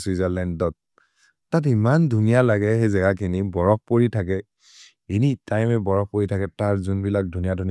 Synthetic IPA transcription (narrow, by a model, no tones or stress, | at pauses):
swizalɛndɔt̚ː | at̬imandʱunijalaɡɛxejzɛɡakʰinibɔɹɔk̚poɹitʰakɛ | enitajmɛbɔɹɔp̚poɹitʰakɛtaɹzunbilak̚dʱunijadʱuni